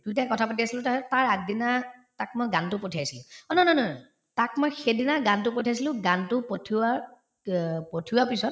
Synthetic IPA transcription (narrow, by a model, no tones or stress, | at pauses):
dutakɔtʰapat̬iasilʊ̃tataɹak̚dinatak̚mojɡantʊpotʰiajsilʊ̃ɔnɔnɔnɔ | takmojxedinaɡantʊpotʰias̬ilʊ̃ɡantʊpotʰia | potʰiwapisɔt̚